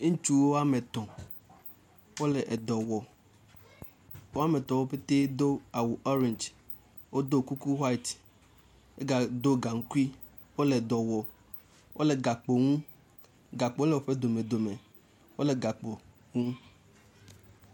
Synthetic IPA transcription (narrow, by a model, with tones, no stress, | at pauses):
t͡ʃu˦wo˦a˦me˨t̪ɔ̃˨ | wo˦le˨ʔe˨d̪ɔ˨wɔ˨ | wo˦a˦me˨t̪ɔ̃˨wo˦pe˦t̪e˦d̪o˦a˨wu˨ʔɔ˦ɾẽ˨nd͡ʒ | wo˦d̪o˦ku˦ku˦wa˦i˨t̪ | e˦ɡa˨d̪o˦ɡa˨ŋ̩˦ku˦i˦ | wo˦le˨d̪ɔ˨wɔ˨ | wʔo̰˦le˨ɡa˨k͡po˨ŋũ˦ | ɡa˨k͡po˦le˨wo˦ɸe˦d̪o˨me˨d̪o˨me˨ | wo˦le˨ɡa˨k͡po˨ | ŋũ˦